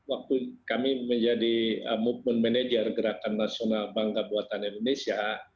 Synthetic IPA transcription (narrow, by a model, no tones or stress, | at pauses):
wak̚t̪ukamiməɲd͡ʒadiəmut̚mənmɛned͡ʒərɡəɾakanːasionalbaŋɡabuat̪anindonesia